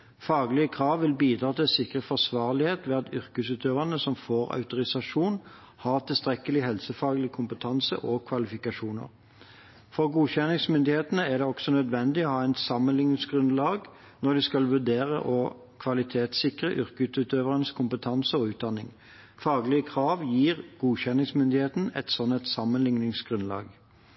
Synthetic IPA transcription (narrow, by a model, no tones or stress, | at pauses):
fɑːɡlɪəkʰʁɑːʋʋɪlbiːd̪ʁɑːt̪ʰɪlsɪkʁəfɔsʋɑːʁlɪheːt̪ʋeːɑt̪ʏɾkʉsʉːt̪øːʋɑnəsɔmfoːʁɑ̰ʉt̪ʊʁɪsɑʂuːn | hɑʁt̪ʰɪlst̪ʁɛkəlɪɦɛlsəfɑːɡəlɪkʰʊmpət̪ʰɑnsə̰ʔɔkʰʋɑlɪfɪkɑʂuːnə̰ʁ | fɔʁɡuːçɛnɪŋsmʏnd̪ɪheːt̪ənəæʁd̪ɛɔksɔnœd̪ʋɛnd̪ɪɔhɑːɛɪnsɑmːənɪŋəsɡʁʉnlɑːɡ | nɔd̪ɪskɑlʋʉʁd̪eːʁə̰ʔɔ | kʰʋɑlɪt̪ʰeːt̪sɪkʁəʔʏʁkʉt̪ʉːt̪øːʋəʁənəskʰʊmpət̪ʰɑnsəɔʉːt̪̚d̪ɑnːɪŋ | fɑːɡlɪəkʰʁɑːʋjiːʁɡ̥uːçɛnːɪŋsmʏnd̪ɪheːt̪n̩ɛ̰t̪sɔnːɛt̪sɑmənlɪŋnɪŋsɡʁʉnlɑ̰ːɡ